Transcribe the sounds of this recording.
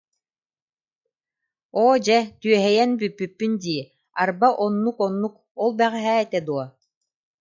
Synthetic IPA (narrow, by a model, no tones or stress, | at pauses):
ɔːd͡ʑɛt̪yœɦɛjɛnbypːypːynd̪iː | aɾbaʔɔnːukɔnːuk̚ | ɔlˠbɛʁɛɦɛːɛt̪ɛd̪uɔ